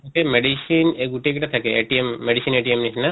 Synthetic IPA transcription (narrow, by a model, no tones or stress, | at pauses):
okemeɖisineɡuʈek̬iʈat̪ʰakeeʈiemːeɖisineʈiemnit͡ʃʰna